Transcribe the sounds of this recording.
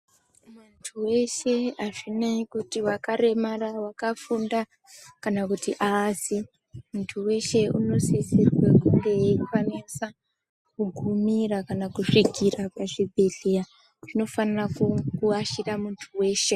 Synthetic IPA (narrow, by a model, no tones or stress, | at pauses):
mantʰuwe̞ʃe̞aʐinaikutiwakaɾe̞marawakafunda | kanakutiʔasi | muntʰuwe̞ʃe̞ṵno̞sisirwekuŋɡe̞fanisa | kuɡʱumirakanakuʂikirapaʐibʱe̞ɮeja | ʐ̥ino̞fanirakukuaʃiramuntʰuwe̞ːʃe̞